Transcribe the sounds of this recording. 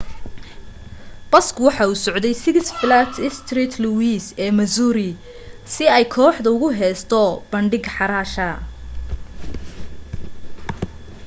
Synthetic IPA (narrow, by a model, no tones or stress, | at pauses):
b̥ɐskʰʊwɑħɑːuːsɔʕd̪ɛjsɪɡsflat̪ʰɪst̪ʰrit̪ʰluwiːsɛːmɐsuːɾɪ | sɪɛjkʰɔːħd̪ɐʊɣʊɦɛːst̪ʰɔb̥ɐɳɖɪɡħɑɾaːʃɐ